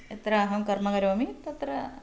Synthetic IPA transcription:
et̪ɾɐːɦɐmkɐrmɐɡɐɾoːmit̪ɐt̪ɾɐ

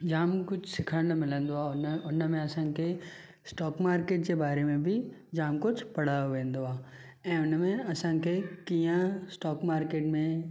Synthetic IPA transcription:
d͡ʑaːmkʊd͡ʑʱsɪkʰəɽɽ̃mɪlə̃nd̪oaːʊnmẽɐsãkʰe | sʈɔːkmaːɾkeːʈ̚d͡ʑeːbaːɾemẽbɪ | d͡ʑaːmkʊd͡ʑʱpɐɽ̤aːjoʋẽːn̆d̪oaː | ɛ̃ːʊnmẽɐsãkʰekiːãsʈɔːkmaːɾkeːʈmẽ

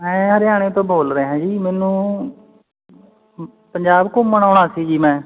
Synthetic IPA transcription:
mɛ̃ːɦəɾɪjaːɽ̃ẽːt̪õːboːlɾəeːɦãːd͡ʒiːmɛːnũː | pəɲd͡ʒaːbkomːəɽ̃aːʊɳaːsiːd͡ʒiːmɛ̃ː

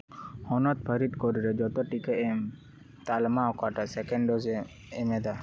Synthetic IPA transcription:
hɔnɔt̪̚pʰəɾit̪kɔɾiɾɛd͡ʒɔt̪ɔʈikɛɛm | t̪almaɔkaʈasɛkɛɳɖɔzɛ | ɛmɛd̪a

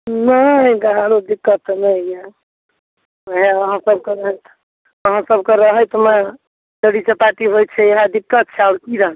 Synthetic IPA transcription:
nəd̪əɦaɾod̪ikːət̪nəja | əɦeəɦãsəb̚keɾəɦət̪ | əɦãsəbkeɾəɦəjt̪mɛ | d̪əɽit͡ʃepaʈiɦojt͡ʃʰɛeɦad̪ikːət̪̚t͡ʃʰɛaʊɾkiɾəɦ

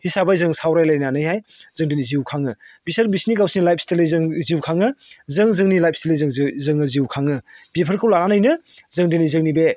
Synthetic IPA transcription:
hisabajzɯŋsawɾajlajnanɯjɦajzɯŋdiniziwkʰaŋɯbisaɾbisniɡawsinilajp̚ʰstelɯjzɯŋziwkʰaŋɯzɯŋzɯŋnilajp̚ʰstelɯjzɯŋzɯŋɯziwkʰaŋɯb̥epʰɐɾkʰɯwlaɾanɯjnɯzɯŋdinizɯŋnibe

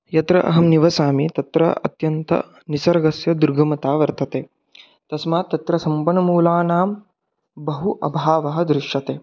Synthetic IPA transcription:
jɐt̪ɾɐ̰ʔɐ̰ɦɐmniʋɐsaːmit̪ɐt̪ɾɐ̰ɐ̰t̪jɐnt̪ɐ̰ | nisɐɾɐɡɐsjɐd̪uɾɡʱɐmɐt̪aːʋɐɾt̪ʰɐt̪eː | t̪ɐsmaːt̪ːɐt̪ɾɐsɐmpɐnɐmuːlaːnaːm | bɐɦuʔɐ̰bʱaːʋɐɦɐ̆d̪ɾɪʂjɐt̪eː

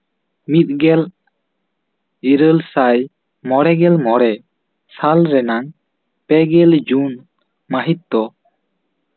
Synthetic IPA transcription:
mit̪̚ɡɛl | iɾəlsaj | mɔɽɛɡɛlmɔɽɛ | salɾɛnaŋ | pɛɡɛld͡ʒun | maɦit̪̚d̪ɔ

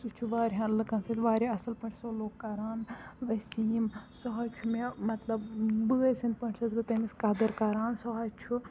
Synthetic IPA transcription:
sut͡ʃʰuʋaːɾʲɦãːlɨkɐnsɐt̪ʋaːɾiɐsɐlpɐɳʈʰsoloːkːaɾaːnʋɐsimsɔɦɐd͡ʒt͡ʃʰumemɐt̪lɐbbɨsɐnpɐɳʈʰsɐzbɨt̪ɐmiskad̪ɐɾkaɾaːnsɔɦɐd͡ʒt͡ʃʰu

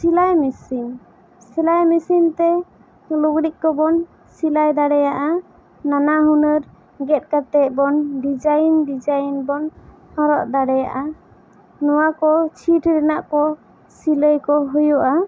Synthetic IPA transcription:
silajmisim | silajmisimt̪ɛ | luɡɾiʔ̚kɔbɔn | silajd̪aɽɛjaʔa | nanaɦunəɾ | ɡɛt̪̚kat̪ɛʔ̚bɔnɖid͡ʒajnɖid͡ʒajnbɔn | haɾɔʔd̪aɽɛja̰ʔa | nɔwakɔt͡ʃʰiʈʰɾɛnaʔkɔ | siləjkɔɦujuʔa

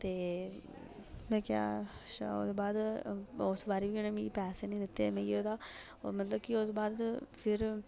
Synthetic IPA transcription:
t̪eː | mɛ̃ːkja̰ːʃa̰o̰ːd̪eːbaːd̪osbaːɾiːʋiːonemĩːpɛːseːnĩːd̪ɪt̪ːeːmẽːioːd̪aː | mət̪ləb̚kiosbaːd̪pʰɪɾ

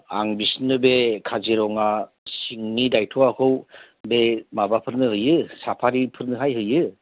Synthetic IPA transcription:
a̰ŋbisnɯbekʰaziɾɔŋa | siŋnidajtʰɔakʰɯw | bemabapʰɯɾnɯhɯjɯsapʰaɾipʰɯɾnɯɦajɦɯjɯ

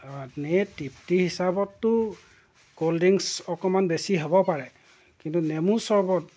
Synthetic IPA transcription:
netiptihisabɔtːʊ | koldiŋsɔkɔmanbesiɦobɔpaɹɛ | kintunemusɔɹbɔt̚

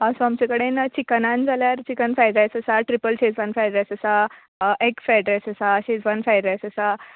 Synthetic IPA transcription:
əsoamt͡ɕẽkəɽent͡ɕikənãnd͡zʱaljaɾt͡ɕikənfajɖɾajsəsaʈɾipəlɕed͡zʋanfajɖɾesəsa | ʔekfajɖɾesəsaɕed͡zbanfajɖɾajsəsa

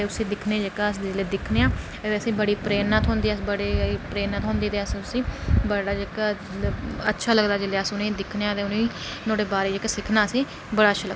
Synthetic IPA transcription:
eːʊsĩːd̪ɪkʰneːd͡ʒekaːəsd̪ed͡ʒɪleːd̪ɪkʰneːãː | eːəsĩːbəɽiːpɾeːnaːt̪ɦõːnd̪iːsbəɽeːpɾeːnaːt̪ɦõːnd̪iːt̪eːəsĩːʊsĩːbəɽaːd͡ʒekː | ətːʃʰaːləɡd̪aːd͡ʒɪleːəsʊnẽːd̪ɪkʰneãːt̪eːʊnẽ | noːɽeːbaːɾeːd͡ʒekːsɪkʰnaːəsĩː | bəɽaːətːʃʰaːləɡ̪a

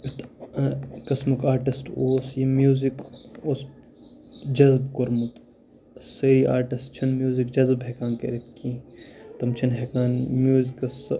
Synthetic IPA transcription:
it̪ | kɐsmukaːɾʈisʈoːsjimjuːzikoːs | d͡ʒɐzbkoɾmɐt̪ | seɾiːʔaːɾʈisʈt͡ʃʰɐnmjuːzikd͡ʒɐzbɦekaːnkḛɾet̪kːĩt̪ɐmt͡ʃʰɐnɦekaːnmjuːzikɐs

